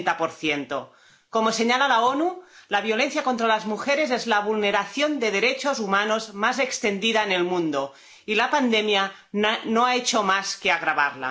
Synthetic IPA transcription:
t̪apoɾθjent̪o̰ | komoseɲalalaonulaβjole̞n̟θjakont̪ɾalazmuxeɾezezlaβ̞ulneɾaθjond̪eð̞eɾet͡ʃozumanozmazekst̪end̪iðaene̞lmũnd̪o | ilapand̪emja | noaet͡ʃomaskeaɣɾaβaɾla̰

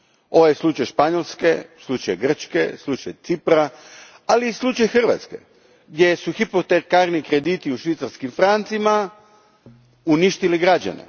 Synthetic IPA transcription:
o̞ʋojeslˠut͡ʃajʃpaɲolskeslˠut͡ʃajɡr̩t͡ʃkḛslˠut͡ʃajt̪sipɾa | aliːslˠut͡ʃajxər̩ʋa̰t̪ske̞̰ | ɡdje̞suxipot̪ekaɾnikɾe̞d̪it̪iuʃʋit̪saɾskimfɾant̪sima | uniʃt̪iliɡɾad͡ʑa̰nḛ

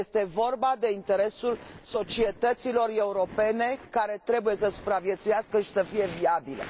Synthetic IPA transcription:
est̪e̞vo̞rbad̪e̞int̪e̞ɾe̞sul | so̞t͡ʃie̞t̪ət̪silo̞re̞uɾo̞pe̞ne̞kaɾe̞t̪ɾe̞buje̞səsu̥pɾavje̞t̪sujaskəʃi̥səfije̞viabilḛ

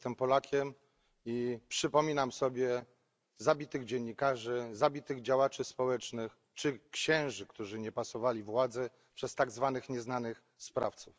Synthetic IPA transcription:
t̪ɛmpɔlakʲʰɛm | ipʂɘpɔmʲinamsɔbʲjɛ | zabʲit̪ɘɣd͡ʑɛɲːikaʐɘzabʲit̪ɘɣd͡ʑawat͡ʂɘspɔwɛt͡ʂnɘx | t͡ʂɘkɕɛ̃w̃ʐɘkt̪uʐɘɲɛpasɔvalʲivwad̪zɛ | pʂɛst̪aɡzvanɘxɲɛznanɘx | spɾa̰ft̪suf

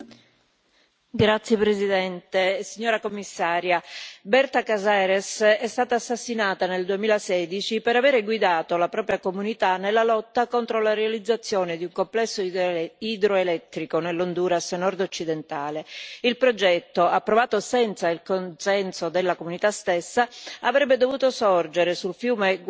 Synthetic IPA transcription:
ɡɾat̪sːjepɾesid̪ɛnt̪esiɲːoːɾakomːisːaːɾjabɛrt̪akazaɾesɛst̪aːt̪aːsːasːinaːt̪aneld̪uemiːlasɛːd̪it͡ʃipeɾaveːɾeɡwid̪aːt̪olapɾɔːpɾjakomunit̪anelːalɔt̪ːakont̪ɾolaɾealid̪zːat̪sːjoːned̪iuŋkomplɛsːoid̪ɾoelɛt̪ːɾikonelːond̪uːɾasnɔrd̪ot͡ʃːid̪ent̪aːleilpɾod͡ʒɛt̪ːoapːɾovaːt̪osɛnt̪sailkonsɛnsod̪elːakomunit̪ast̪esːaavɾɛbːed̪ovuːt̪osɔrd͡ʒeɾesulfjuːme

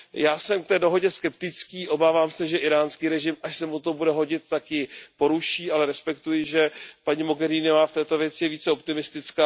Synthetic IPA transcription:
jaːsɛmk̚t̪ɛːdo̞ɦo̞ɟɛskɛpt̪ɪt͡skiːʔo̞baːvaːmsɛʒɛʔɪɾaːnskiːɾɛʒɪmʔaʃsɛmut̪obudɛɦo̞ɟɪt̪̚ːakjɪpo̞ɾuʃiːʔalɛɾɛspɛkt̪ujɪʒɛpaɲɪmo̞ɡɛɾiːnovaːft̪ɛːt̪o̞vjɛt͡sɪjɛviːt͡sɛo̞pt̪ɪmɪst̪ɪt͡skaː

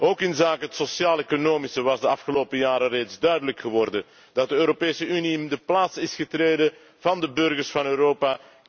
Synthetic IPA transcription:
ʔoːkɪnzaːkəɦətsosjaːleːkonoːmisəʋɑzdəɑfxəloːpəjaːɾəreːtzdœɥdələkxəʋɔrdə | d̥ɑt̚dəøːɾopeːsəyniɪndəplaːtsɪsxətreːdə | v̥ɑndəbɵrɣərsfɑnøːɾoːpaː

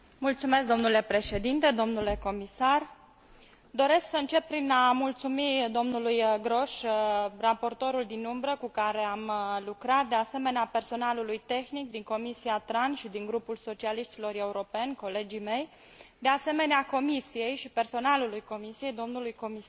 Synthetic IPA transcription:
mult̪sume̞s̬k̚d̪o̞mnule̞pɾe̞ʃe̞d̪int̪e̞d̪o̞mnule̞ko̞misar | d̪o̞ɾe̞sksəɨnt͡ʃe̞pːɾinamult̪sumid̪o̞mnulujɡɾo̞ʃrapo̞rt̪o̞ɾuld̪inumbɾəkukaɾe̞amlukɾat̪̚d̪ease̞me̞neape̞rso̞nalulujt̪e̞xnik̚d̪iŋko̞misiat̪ɾanʃid̪iŋɡɾupulso̞t͡ʃialiʃt̪ilo̞re̞uɾo̞pe̞nʲko̞le̞d͡ʒime̞j | d̪e̞ase̞me̞neako̞misije̞jʃipe̞rso̞nalulujko̞misije̞jd̪o̞mnulujko̞mis

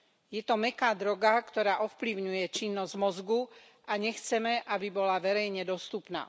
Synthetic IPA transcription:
jɛt̪ɔmɛkaːd̪ɾɔɡakt̪ɔɾaːʔɔfpliʊɲujɛt͡ʃinːɔzɟmɔzɡu | aɲɛxt͡sɛmɛʔabibɔlaʋɛɾɛjɲɛd̪ɔst̪upna̰ː

